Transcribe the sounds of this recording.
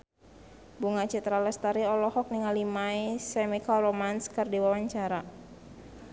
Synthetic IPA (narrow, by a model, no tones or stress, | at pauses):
buŋat͡ʃit̪ɾaləst̪aɾiɔlɔhɔk̚niŋalimaisɛmikaromanskɨrdiwawaɲt͡ʃaɾa